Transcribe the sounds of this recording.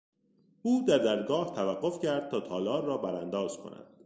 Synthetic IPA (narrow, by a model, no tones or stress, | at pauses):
uːd̪æɾd̪æɾɡɒːht̪ʰævæɢːo̞fcæɾd̪̥̚t̪ʰɒːt̪ʰɒːlɒːɾːɒːbæɾænd̪ɒːz̥kʰo̰næ̰d̪̥